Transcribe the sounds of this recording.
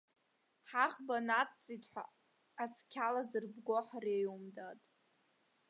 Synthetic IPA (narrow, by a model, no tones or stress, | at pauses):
ħaχbanatʰt͡sʼitʼħʷa̰ | askʲʰalazɨrbɡoħarejumdatʼ